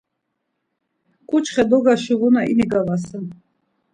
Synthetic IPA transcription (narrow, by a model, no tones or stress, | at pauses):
kʼut͡ʃχɛd̪ɔɡaʃiʁunainiɡavasɛn